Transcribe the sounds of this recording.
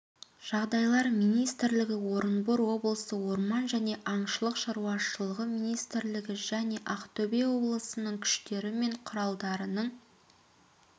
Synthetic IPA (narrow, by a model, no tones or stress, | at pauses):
ʒ̥ɑʁd̪ɑjlˠɑɾmijnijst̪ɪɾlɪɡʲɪwo̞ɾənboɾwo̞blˠəsəwo̞ɾmɑnʒæne̞ʔɑɴʃəlˠəqʃɑɾuwɑʃəlˠəʁəmijnijst̪ɪɾlɪɡʲɪʒæne̞ʔɑqt̪ʰɵbewo̞blˠəsənəɴkʲʰʏ̥ʃt̪e̞ɾɪme̞ɴqʰʊɾɑlˠd̪ɑɾənəɴ